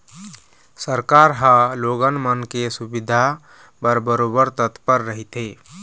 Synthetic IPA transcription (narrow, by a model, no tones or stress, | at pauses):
səɾkaɾɦə̃loɡənmənkesubid̪ʱa | pəɾbəɾobəɾt̪ət̪pəɾːəɦit̪e